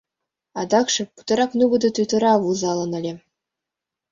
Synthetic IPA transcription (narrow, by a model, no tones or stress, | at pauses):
ɑd̪ɑkʂɤ̆pu̥t̪ɤ̆ɾɑknuɡɤ̆d̪ɤ̆t̪yt̪ɤ̆ɾɑvuzɑlˠɤ̆nɤ̆lʲĕ